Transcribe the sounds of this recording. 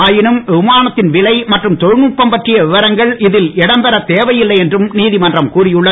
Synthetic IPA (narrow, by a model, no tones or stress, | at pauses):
aːjɪnɯmɪmaːnɐt̪ːɪnʋɪlɐɪmɐʈrɯmt̪ɔɻnuːpːɐmpɐʈrɪjɐʋɪʋɐɾɐŋɡɐɭɪðɪlɪɽɐmpɛɾɐt̪eːʋɐjɪlːɐɪɛndrɯmniːðɪmɐndrɐmkuːrɪjɯɭːɐ